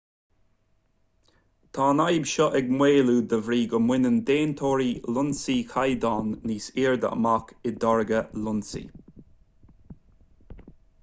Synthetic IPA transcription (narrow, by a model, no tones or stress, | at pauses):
t̪ʰaːnajbʃɔʔɛɡmweːluːd̪əvɾiːɡəmwɪnənd̪eːnt̪ʰoːɾiːlʊnsiːkʰajd̪aːnːiːsiːɹd̪ə̰ʔəmakɪd̪ɔɹɡəlʊnsḭː